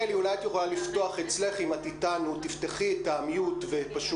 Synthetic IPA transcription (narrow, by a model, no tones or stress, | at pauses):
eliulajat̪jeχolalifto̞aχet͡sle̞χimatitanutifteχietaːmijutvepaʃu